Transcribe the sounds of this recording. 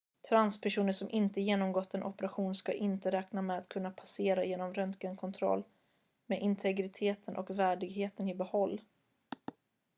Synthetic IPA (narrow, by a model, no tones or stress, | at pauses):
t̪ʰɾanspʰæʂuːnəʂɔmʔɪnt̪əjeːnɔmɡɔt̪ːɛnʔɔpəɾaɧuːnska̰ʔɪnt̪əɾɛːknamɛat̪kʰɵnːapʰaseːɾajeːnɔmɾœnt̪kənkʰɔnt̪ʰɾɔ̰lː | mɛʔɪnt̪ʰɛɡɾɪt̪ʰeːt̪ʰənʔɔ̰kvæːɖɪɡɦeːt̪ənɪbɛhɔlː